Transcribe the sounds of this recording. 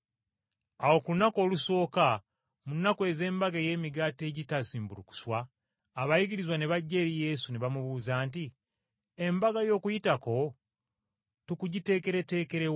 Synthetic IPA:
awo̞kulunako̞ːluso̞ːka | munːakwe̞ze̞ːmbaɡeje̞ːmiɡate̞ːɟitasiːmbuluku̥swaː | βajiɡiɾizwaneβaɟːe̞ɾije̞suneβamuβuːzaːnti | embaɡajo̞ːkujitako̞ | tukuɟite̞ːke̞ɾe̞te̞ːke̞ɾew

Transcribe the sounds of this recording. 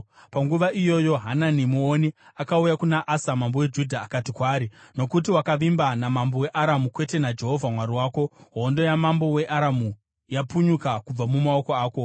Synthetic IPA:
paŋɡuʋaʔijo̞joɦananimuoniakaujakunaʔasamambo̞we̞d͡ʒudʱaːkatikwaːɾino̞kut̬iwakaʋimbanamambo̞we̞ʔaɾamukwe̞te̞nad͡ʒe̞ɦo̞vʱamwaɾiwaːko̞ɦo̞ndo̞jamambo̞we̞ʔaɾamu | japuɲukakub͡vamumao̞koaːko̞

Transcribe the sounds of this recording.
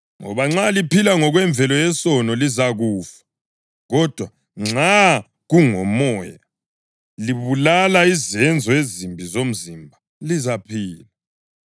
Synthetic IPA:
ŋɔ̰βaŋ͡ǁalipilaŋɔɣwɛɱb̪vʱɛlɔjɛsɔnɔlizaɣuːfḁ | ɣɔd̥ʱwa | ŋ͡ǁa | ɣuŋɔmɔːja | liβulalaizɛnd͡zʱɔezimbʱizom̩zimbʱa | lizapʰiːla

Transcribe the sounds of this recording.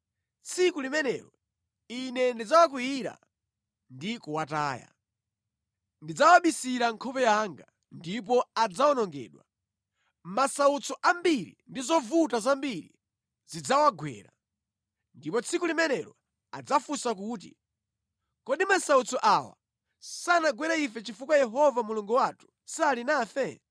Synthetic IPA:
t͡sʰikulimɛnɛ̰ɾɔ | inɛndid͡zawak̬wiiɾa̰ | ndikuwataːja̰ | ndid͡zawaɓisiɾaŋkʰɔpɛjaŋɡa | ndip̬ɔad͡zaɔnɔŋɡɛ̰ːɗwa | masaut͡sʰɔʔambiɾḭndizɔvutazambiɾḭ | z̥id͡zawaɡwɛ̰ːɾa̰ | ndipɔt͡sʰikulimɛnɛɾɔ | a̰d͡zafusak̬uːt̬ḭ | kɔɗimasaut͡sʰɔʔawa̰ | sanaɡwɛɾaifɛt͡ʃifukwajɛɦɔvamuluŋɡuwatʰu̥salinaːfɛ

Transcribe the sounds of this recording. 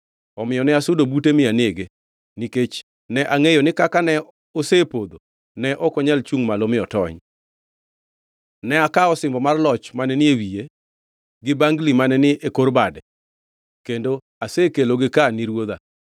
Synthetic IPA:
ɔmɪjɔnɪasʊdobutemɪanɪeɡe | niket͡ʃ | nɛʔaŋejonɪkakanɛ | osepod̪o | nɛʔɔkɔɲɛlt͡ʃuŋmalomɪɔtɔ̰ɲ | nɛakaɔsɪmbɔmarlɔt͡ʃmanɛnɪewije | ɡɪbaŋɡlimanɛnɪekorbadɛ | kendo | asekeloɡɪkaniɾwod̪a̰

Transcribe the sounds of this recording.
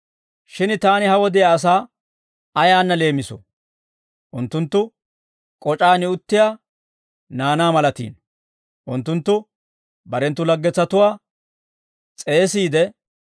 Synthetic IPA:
ʃɪnt̪aːnɪhɐwɔd̪ɪjaːs̬aː | ɐjaːnːɐle̞ːmɪsɔ̰ | ʔʊnt̪ːʊnt̪ːʊ | kʼɔt͡ʃʼaːnɪʊt̪ːɪjaː | naːnaːmɐlɐt̪ḭːn | ʔʊnt̪ːʊnt̪ːʊ | bɐɾɛnt̪ːʊlɐɡːɛt͡sːɐt̪ʊwaː | t͡sʼe̞ːsiːd̪ɛ

